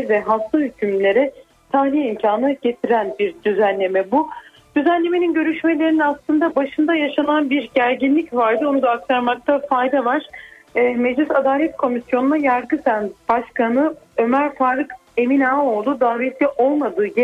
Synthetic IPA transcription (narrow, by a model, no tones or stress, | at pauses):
vɛɦaft̪ʰahycʰymlʲe̞ɾɛ | t̪ʰahlʲiimcʰaːnaɟe̞t̪ʰiɾænbiɾd̪yzænlːʲe̞mɛbu | d̪̥yzænlʲe̞meininɟø̞ɾyʃme̞lʲe̞ɾininaslˠɯnd̪abaʃɯnd̪ajaʃananbiɾɟæɾɟinlʲicvaɾd̪ɯo̞nud̪aːk̚t̪ʰaɾmak̚t̪ʰafajd̪avaɾ̥ | mɛd͡ʒlʲisad̪aːlʲɛt̪̚kʰo̞misjo̞nunajaɾɡɯsænbaʃkanɯø̞mæɾfaːɾɯke̞minaːo̞lˠd̪ud̪aːɾɛt̪lʲɛʔo̞lˠmad̪ɯːɟe